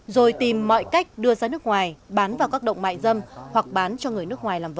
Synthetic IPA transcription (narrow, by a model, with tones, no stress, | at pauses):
zo˨˩jt̪i˨˩mːɔ̰˧˨jka˦˥jk̟̚ɗɨ˧əzaː˧nɨ˦˥ək̚ŋwaː˨˩jɓaː˨˦nvaː˨˩wkaː˦˥k̚ɗə̰˧˨wŋ͡mma̰ː˧˨jzə˧mhwa˨˩k̚ɓaː˨˦nt͡ɕɔ˧ŋɨ˨˩əjnɨ˦˥ək̚ŋwaː˨˩jlaː˨˩mv